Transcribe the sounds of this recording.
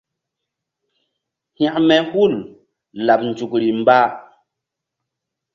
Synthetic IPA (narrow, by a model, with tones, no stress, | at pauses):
hj̃ã˨ʔmɛ˨hu˦˨l | la˨p̚n̩˨d͡ʒu˨kɾi˨m˦ba˦